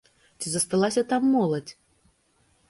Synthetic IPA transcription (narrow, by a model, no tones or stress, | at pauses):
t͡sʲizɐst̪alˠasʲɐt̪amːɔlˠɐt͡sʲ